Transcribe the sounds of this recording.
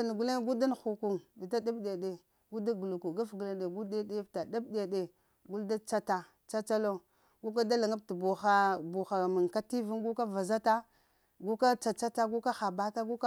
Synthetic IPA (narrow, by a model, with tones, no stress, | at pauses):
a˨n˨ɡu˦le˦ɡu˦da˦nxu˨ku˨ŋbi˨ta˦da˦bɗe˨ɗe˨ | ɡu˦da˦ɡu˨lu˨ku˨ɡa˦fɡu˨la˨de˨ɡu˦de˦de˦bta˨da˦bde˨ɗe˨ | ɡu˦lda˦t͡ʃa˦ta˨ | t͡ʃa˦t͡ʃa˦lo˦ | ɡu˦k̬a˦da˦la˨ŋa˦b̚ta˨bu˨xa˦bu˨xa˨mi˨ŋka˦ti˦vu˦ŋɡu˦ka˦va˨za˦ta˦ | ɡu˦ka˦t͡ʃa˨t͡ʃa˦ta˦ɡu˦ka˦xa˨ba˦ta˦ɡu˦ka˦